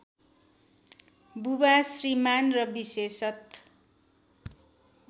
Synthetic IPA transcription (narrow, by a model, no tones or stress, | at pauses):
bubasrimanrʌbisesʌt̪